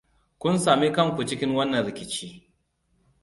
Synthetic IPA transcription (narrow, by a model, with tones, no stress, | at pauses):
kʷʊ˦nsaː˨mi˦kɐ˦ŋkʷu˨t͡ʃɪ˦kʲɪ˦ŋwɐ˦nːɐ˨nɾɪ˨kʲɪ˨t͡ʃiː˦